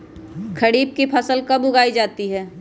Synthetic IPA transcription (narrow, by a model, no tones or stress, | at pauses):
kʰəɽiːb̚kipʰɐsəlkɐbʊɡaːid͡ʒaːt̪iɦɛː